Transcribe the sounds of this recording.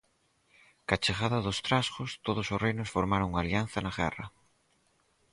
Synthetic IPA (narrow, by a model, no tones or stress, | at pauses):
kat͡ʃeɣaðɐðʊst̪ɾaskʊst̪oðʊsosrejnʊsfoɾmaɾoŋaljanθɐnaɣɛ̰rɐ̰